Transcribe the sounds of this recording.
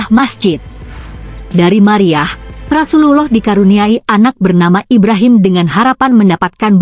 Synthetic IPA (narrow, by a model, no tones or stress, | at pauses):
hmasd͡ʒɪt̪̚ | daɾimaɾiahpɾasululɔhdikaɾuniaiʔanak̚bərnamaʔibɾaɦɪmdəŋanɦaɾapanməndapat̪̚kanb